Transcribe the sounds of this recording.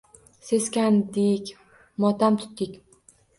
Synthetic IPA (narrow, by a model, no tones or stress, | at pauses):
se̞skʲand̪ɪkʲ | mɒt̪ʰamt̪ʰʊ̥t̪ːɪkʲ